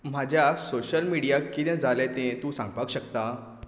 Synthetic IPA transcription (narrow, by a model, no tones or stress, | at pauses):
m̤ad͡ʑʱjasoɕəlmiɽijakːit̪ɛ̃d͡zʱalet̪ẽt̪ũːsãŋɡpakɕəkt̪a